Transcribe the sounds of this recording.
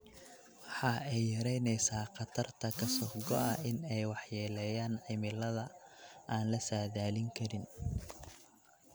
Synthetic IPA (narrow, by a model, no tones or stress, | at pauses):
wɑħɑɛjːɐɾɛjnɛjsaːqɑt̪ʰɐrt̪ʰɐkʰɐsɔɡɔɐɪnɛjwɑħjɛːlɛjaːnʕɪmɪlɐðɐʔaːnlɐsaːðaːlɪŋkʰɐɾɪn